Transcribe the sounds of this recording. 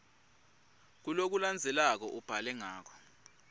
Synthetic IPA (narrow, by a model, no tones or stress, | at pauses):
k̬ulok̬uland͡zʱɛlak̬ɔʔub̥ʱalɛŋaːk̬ɔ̥